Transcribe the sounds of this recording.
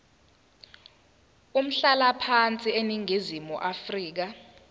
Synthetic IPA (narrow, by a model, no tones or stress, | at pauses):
um̩ɬalapʰant͡sʼieniŋʱizimuʔafriːk̬a